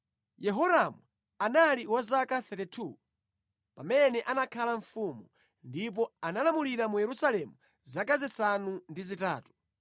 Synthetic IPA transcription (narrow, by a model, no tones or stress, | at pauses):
jɛɦɔɾamu | analiwazakaθɛtɛtʰu | pamɛnɛʔanakʰalaɱfumu | ndip̬ɔanalamuliɾamujɛɾusalɛmu | zakazisanundizita̰ːtu̥